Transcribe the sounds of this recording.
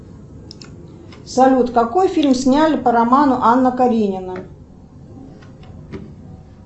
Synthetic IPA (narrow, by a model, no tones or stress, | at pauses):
sɐlʲut̪kɐkojfʲilʲmsʲnʲalʲɪpəɾɐmanʊʔanːəkɐɾʲinʲɪnə